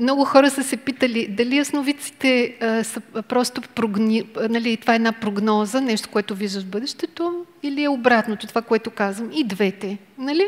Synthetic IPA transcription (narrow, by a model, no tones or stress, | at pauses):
mnɔɡʊxɔɾəsəsɛpit̪əlid̪ɐliɐsnovit̪si̥t̪ɛəsəpɾɔst̪opɾoɡnnɐlit̪ovaɛd̪napɾoɡnɔzənɛʃt̪o̥koɛt̪ʊviʒəvbɤd̪ɛʃt̪ɛt̪oiliɛobɾat̪not̪ot̪ovakoɛt̪okazvəmid̪vɛt̪ɛ | nɐli